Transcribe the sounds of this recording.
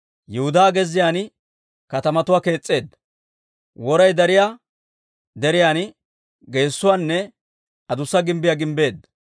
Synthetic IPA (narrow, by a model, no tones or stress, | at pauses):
jɛhʊd̪aːɡɛzːɪjaːn | kɐt̪ɐmɐt̪ʊwaːke̞ːt͡sʼːe̞ːd̪ɐ | wɔɾɐjd̪ɐɾɪjaː | d̪ɛɾɪjaːn | ɡe̞ːsːʊwaːnːɛ | ɐd̪ʊsːɐɡɪmbɪjaɡɪmbe̞ːd̪ɐ